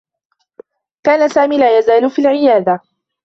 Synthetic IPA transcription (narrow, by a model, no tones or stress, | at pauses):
kaːnasaːmiːlaːjazaːlfiːlʕɪjaːd̪a